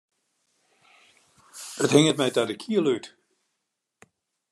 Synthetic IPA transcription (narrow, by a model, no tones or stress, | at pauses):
əthɪŋətmɛjtadəkʰiəlyt